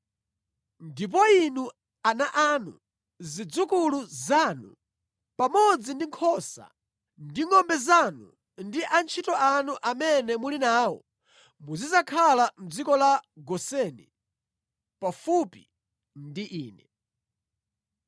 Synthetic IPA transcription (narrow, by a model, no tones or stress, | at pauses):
ndip̬ɔinu | anaʔanṵ | zid͡zukuluzanṵ | pamɔd͡zindiŋkʰɔsa̰ | ndiŋɔmbɛzanu | ndiʔant͡ʃʰitɔʔanuʔamɛnɛmulinaːwɔ̰ | muzizakʰalam̩d͡zikɔlaɡɔsɛnḭ | pafupi | ndiʔiːnɛ